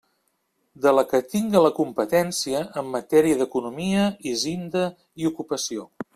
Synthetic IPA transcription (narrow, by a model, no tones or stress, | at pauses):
d̪ələkət̪iŋɡələkumpət̪ɛnsiəʔəmːət̪ɛɾiəðəkunumiəizind̪ə | iukupəsio